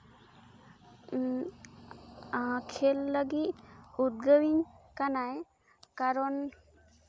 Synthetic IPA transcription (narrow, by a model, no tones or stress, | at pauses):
kʰelːəɡit̪ut̪̚ɡəwiɲkanaj | kaɾɔn